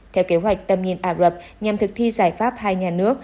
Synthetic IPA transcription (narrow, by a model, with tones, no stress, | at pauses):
t̪ʰɛ˧wke˨˦ɦwa˨˩jk̟̚t̪ə˧˩mɲi˧˨ənʔaː˧˩lə˨˩p̚ɲa˨˩mt̪ʰɨ˨˩k̚t̪ʰi˧zaː˧˩jfaː˦˥p̚haː˧jɲaː˨˩nɨ˦˥ək̚